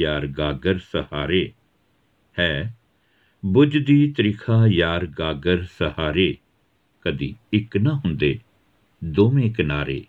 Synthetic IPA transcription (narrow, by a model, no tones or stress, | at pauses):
jaːɾɡaːɡəɾsəhaːɾeː | hɛː | bʊd͡ʒd̪iːt̪əɾɪkʰaːjaːɾɡaːɡəɾsəhaːɾeː | kəd̪ḭːɪknaɦʊ̃nd̪eː | d̪oːmẽːkənaːɾḛː